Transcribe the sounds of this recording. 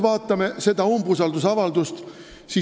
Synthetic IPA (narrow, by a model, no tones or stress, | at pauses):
vɑːt̪ːˑɑmese̞d̪̥ɑumbus̬ɑld̪us̬ɑvɑld̪ust̪ | si